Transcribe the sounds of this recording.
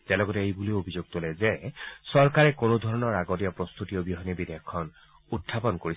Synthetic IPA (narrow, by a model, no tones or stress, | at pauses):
t̪elɔɡɔteejbuliobʱizoɡ̚t̪olezesɔɹkaɹekonod̪ʱɔɹɔnɔɹaɡɔtijɔpɹɔst̪ut̪ijɔbjɔɦɔnibid̪ʱejɔkʰːɔn | ut̪ʰːapɔnkoɹi